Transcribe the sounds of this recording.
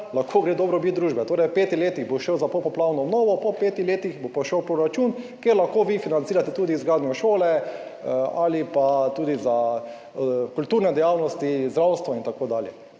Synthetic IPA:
laxkʰoːɡɾeːd̪ɔːbɾɔbit̪̚d̪ɾuːʒbɛt̪oːɾɛjpeːt̪ixleːt̪iɣboʃɛwzapowpɔplawnɔɔbnɔʋɔpɔpeːt̪ixleːt̪ixbopɔʃɛwpɾɔɾat͡ʃunkjeɾlaxkoːʋifinansiːɾat̪ɛt̪uːd̪izɡɾaːd̪nʲjɔʃoːlɛ | alipat̪uːd̪iza | kult̪uːɾnɛd̪ɛjaːwnɔst̪izd̪ɾawst̪ʋɔint̪akoːd̪aːljɛ

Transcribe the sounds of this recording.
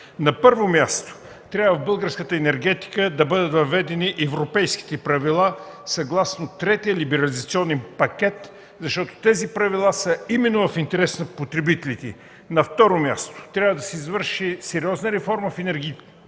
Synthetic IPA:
nɐpɤɾvomjast̪o̥ | t̪ɾʲjavəvbɤlˠɡəɾskət̪əɛnɛɾɡɛt̪i̥kəd̪ɐbɤd̪ət̪vɐvɛd̪ɛniʔɛvɾopɛjsk̟i̥t̪ɛpɾɐvilˠa | sɐɡlˠasnot̪ɾɛt̪ijəlibɛɾɐlʲizɐt̪siɔnɛnpɐk̟ɛt̪ | zɐʃt̪ɔt̪o̥t̪ɛzipɾɐvilˠasəimɛnːovɐfint̪ɛɾɛsnɐpot̪ɾɛbit̪ɛlit̪ɛ | nɐft̪ɔɾomʲja̰st̪o̥t̪ɾʲabvəd̪ɐsɛizvɤɾʃisɛɾiɔznəɾɛfɔɾməfɛnɛɾɡʲi

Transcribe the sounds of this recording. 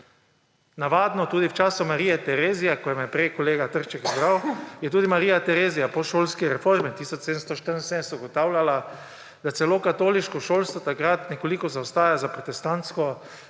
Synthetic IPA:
naʋaːd̪nɔt̪uːd̪iwt͡ʃaːsʊmaɾiːjɛt̪ɛɾeːzijakɔjɛmɛpɾejkɔleːɡat̪əɾt͡ʃɛkizbɾawjɛt̪uːd̪imaɾiːjat̪ɛɾeːzijapɔʃoːlskiɾɛfoɾmit̪iːsɔt͡ʃseːd̪əmst̪ɔʃt̪əɾənsenɛst̪uɡɔt̪aːwlʲjʲala | d̪at̪sɛloːkat̪oːliʃkɔʃoːlst̪ʋɔt̪akɾat̪nɛkolikɔzawst̪aːjazapɾɔt̪ɛst̪ant̪skɔ

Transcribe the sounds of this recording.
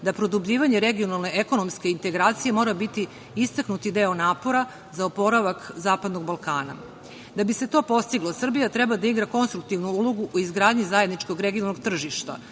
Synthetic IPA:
d̪apɾo̞d̪ubʎʲiːʋaɲe̞ɾeɡio̞nalne̞eko̞no̞mske̞int̪e̞ɡɾaːt̪sije̞mo̞ːɾabit̪i | ist̪aknut̪id̪eonaːpo̞ɾa | zaopo̞ɾaʋakzaːpad̪no̞ɡbalˠkaːna̰ | d̪abise̞t̪o̞ːpo̞st̪iɡlˠosr̩bijat̪ɾɛbad̪aiɡɾako̞nst̪ɾuk̚t̪iʋnuulo̞ɡuʔoizɡɾaːd̪ɲizaje̞d̪nit͡ʃko̞ɡɾeɡionalnoɡ̚t̪r̩ʒiʃt̪a̰

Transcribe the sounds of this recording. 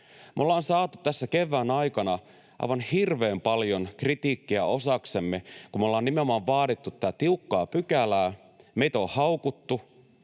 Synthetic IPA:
mʔolːɑːnsɑːt̪ut̪æsːæke̞ʋːæːnɑjkɑnɑ | ɑ̰iʋɑnhirʋe̞ːmpɑljonkrit̪iːkːiæ̰ʔo̞sɑkse̞mːekumːeolːɑːnːimeomɑːʋʋɑːdit̪ːut̪t̪ːæt̪iukːɑːpykælæː | me̞jt̪æohɑwkut̪ːu

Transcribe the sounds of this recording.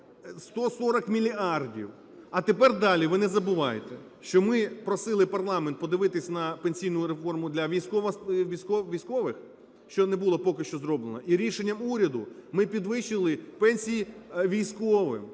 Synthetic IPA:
st̪ɔsɔɾɐkmʲilʲiɑrdʲḭw | ɐt̪epɛrd̪ɑlʲiʋɪnɛzɐbʊʋɑjet̪ɛ | ʃt͡ʃɔmɪpɾɔsɪlˠɪpɐrlˠɑment̪̚pɔd̪ɪʋɪt̪ɪsʲɐnɐpenʲsʲijnʊjʊɾefɔrmʊd̪lʲɐʋʲijsʲkɔʋɐʋʲijsʲkɔʋʲijsʲkɔʋɪx | ʃt͡ʃɔnɛbulˠɔpɔkɪʃt͡ʃɔzɾɔblenɐʔiɾʲiʃenʲːɐmuɾʲɐd̪ʊmɪpʲid̪ʋɪʃɪlˠɪpɛnʲsʲijiʋʲijsʲkɔʋɪ̰m

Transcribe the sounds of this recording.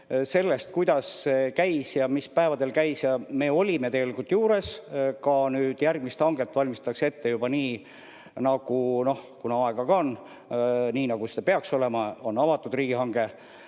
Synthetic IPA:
se̞lːe̞st̪̚kujd̪̥ɑsːekæjsjɑmispæevɑd̪e̞lkæjsjɑme̞ːo̞lʲime̞t̪eɡe̞likult̪ːjuːɾe̞skɑnyːd̪̥jærɡ̥̚mist̪hɑŋɡ̥e̞t̪ːˑvɑlʲmist̪ɑkse̞t̪ːe̞jub̥ɑniː | nɑɡ̥uno̞hkunɑɑe̞ɡ̥ɑɡɑon | niːnɑɡ̥usid̪ɑpe̞ɑkso̞le̞mɑo̞nːɑvɑt̪ːˑud̪riːɡ̥ihɑŋɡ̥e̞

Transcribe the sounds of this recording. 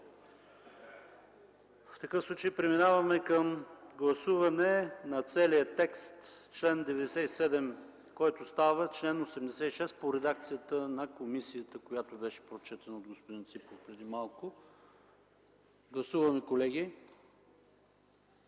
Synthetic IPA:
ft̪ɐkəfsˠut͡ʃejpɾɛminavɐmɛkəmɡlˠɐsuvɐnɛnɐt̪sɛlijət̪ɛkst̪t͡ʃlɛnd̪ɛvɛd̪ɛsɛt̪isɛd̪ɛm | kɔjt̪ʊst̪avət͡ʃlɛnosɛmd̪ɛsɛiʃɛspoɾɛd̪ak̚t̪sijət̪ənɐkomisijət̪əkojat̪obɛʃɛ̥pɾot͡ʃɛt̪ɐnəod̪ɡospod̪int̪sipofpɾɛd̪imalˠkʊ | ɡlˠɐsuvɐmɛkolɛɡʲi

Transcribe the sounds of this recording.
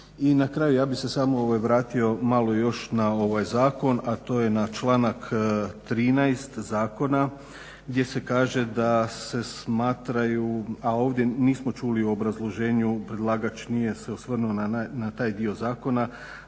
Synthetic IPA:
inakɾaːjujaːbixse̞saːmooʋajʋɾaːt̪io̞malˠo̞jo̞ʃnao̞ʋajzaːko̞nat̪o̞ːje̞nat͡ʃlˠaːnakt̪ɾiːnajst̪zaːko̞na | ɡd̪ʲje̞se̞kaːʒe̞d̪ase̞smaːt̪ɾajuao̞ːʋd̪ʲje̞niːsmo̞t͡ʃuːliuobɾazlˠo̞ʒe̞ːɲupɾe̞d̪lˠaːɡat͡ʃnije̞se̞usʋr̩nuonaanat̪aːjd̪iozaːko̞na

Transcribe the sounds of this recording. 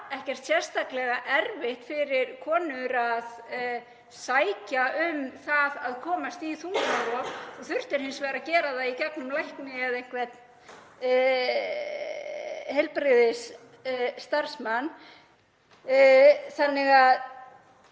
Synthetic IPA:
ɛhcɛr̥t̪sjɛr̥st̪aklɛɣaʔɛɾvɪht̪fɪɾɪɾkʰɔːnʏɾað | saːjcaʔʏmθaðaðkʰɔːmast̪iθunaɾɔɔɣθʏr̥t̪ɪɾ̥hɪnsvɛːɾacɛːɾaðaicɛknʏmlajhknɪaðejŋ̥kvɛt̪n | hɛlpɾɪðɪsː | t̪aɾ̥smanː | θanːɪɣað

